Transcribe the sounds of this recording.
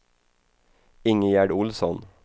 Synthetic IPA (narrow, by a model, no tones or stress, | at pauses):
ɪŋəjæɖʊlsɔn